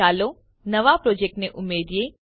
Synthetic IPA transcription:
aːlo | nɐʋapɾoːd͡ʒek̚ʈneʔʊmeːd̪ije

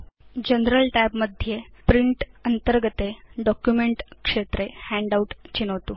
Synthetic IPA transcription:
d͡ʑənɾəlʈæbməd̪ʱjepɾiɳʈənt̪əɾɡət̪eɖɔkjumeɳʈkʂet̪ɾehæɳɖauʈt͡ɕinəʋt̪uː

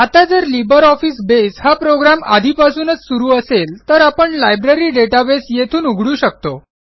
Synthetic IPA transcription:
at̪ad͡zəɾlibəɾɔfiːsbeshapɾoɡɾama̰d̪ʱipasuːnət͡ssuɾuːəselt̪əɾapəɳlajbɾaɾiːɖeʈabesjet̪ʰuːnuɡʱɽuːɕək̚t̪o

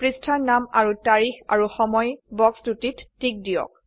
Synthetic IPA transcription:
pɹistʰaɹnama̰ɹutaɹixa̰ɹuxɔmɔjbɔksdutitːik̚dijɔ̰k̚

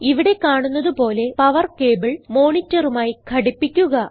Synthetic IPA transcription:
iʋiɽe̞kaːɳunːɐðupo̞ːle̞pɐʋɐrke̞ːbɐɭmo̞ːɳitːɐrumaːjikʰɐɽipːikʲːuɣɐ

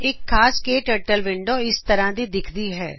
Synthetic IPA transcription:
eːkʰːaːskeːʈəʈəlʋɪ̃ɳɖoɪst̪əɾãd̪id̪ɪkʰd̪iɦɛː

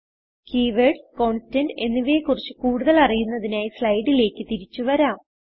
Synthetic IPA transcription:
kiːʋeɖko̞ːɳstɐnɖe̞nːuʋeːkurit͡ɕːɨkuːɽuðɐlɐrijunːɐðinaːjislɐjɖile̞ːkːɨt̪iɾit͡ɕːuʋɐɾaːm

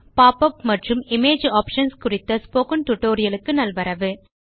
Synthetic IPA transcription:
paːpɐpmɐʈrɯmɪmeːd͡ʒaːpʂɐnskʊrɪt̪ːɐspoːkɐnʈ̪ʊʈːoːɾɪjɐlɯkːɯnɐlʋɐɾɐʋɯ

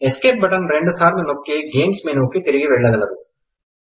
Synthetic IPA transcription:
eskeːʈ̚bɐʈɐnɾeɳɖusaːɾd̪unokːiɡeːmsmeːnoːkːit̪iɾiɡiʋɛɭːɐɡɐlɐɾu

